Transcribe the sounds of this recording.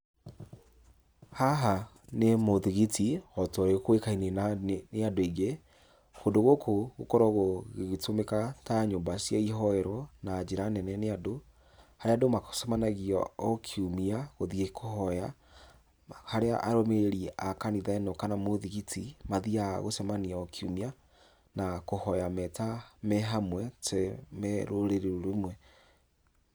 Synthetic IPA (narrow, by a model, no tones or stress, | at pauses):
haɦa | nemoðiɣitiɔtɔɾekwekainenaneadoeɡe | kondoɣokoɣokɔɾɔɣoɣeɣetomekataɲombasjaiɦɔɛɾɔnad͡ʒeɾanɛnɛneado | haɾeadomaksɔmanaɣiɔ̰ɔkʰiumiaɣoðiekʰohɔja | haɾea̰ʔaɾomeɾeɾiɛʔakaniðaɛnɔkanamoðiɣitʰimaðiaɣosɛmaniaɔkʰiumia | nakohɔjamɛtamɛɦamwɛtɛmɛɾoɾeɾeɾoɾemwɛ